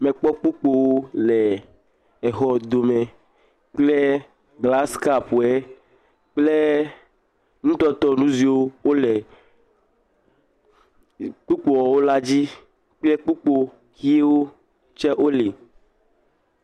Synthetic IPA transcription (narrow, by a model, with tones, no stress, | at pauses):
mẽ˨k͡pɔ˦k͡pu˦k͡po˦wo˦lɛ˨ | ɛ˨xɔ˨d̪o˨me˨ | k͡ple˦ | ɡla˦ska˨pu˨ɛ˦ | k͡ple˦ | nũ˦t̪ɔ˦t̪ɔ˦nũ˦zi˨wo˦wo˦le˨ | k͡pu˦k͡po˨wɔ˨wo˦la˦d͡ʑi˦ | k͡ple˦k͡pu˦k͡po˦ | xi˦e˦wo˦ | t͡ʃɛ˦ʔo˦li˨